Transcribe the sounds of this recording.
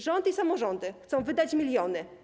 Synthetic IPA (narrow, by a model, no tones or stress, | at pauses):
ʐɔnd̪isamɔʐɔnd̪ɘxt̪sɔ̃w̃vɘd̪at͡ɕmʲilʲjɔnɘ